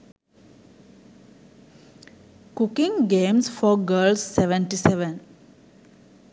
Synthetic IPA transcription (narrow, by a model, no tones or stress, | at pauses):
kukĩŋɡẽːmsfɔɡəːlsːeʋə̃ɳʈiseʋə̃n